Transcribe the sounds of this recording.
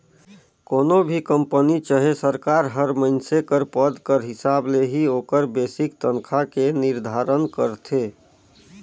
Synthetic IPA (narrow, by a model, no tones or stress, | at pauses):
konobʱikəmpənit͡ʃəɦesəɾkaɾɦəɾməɪnsekəɾpəd̪kəɾɦɪsableɦioːkəɾbesikt̪ənkʰakeniɾd̪ʱaɾənkəɾt̪ʰe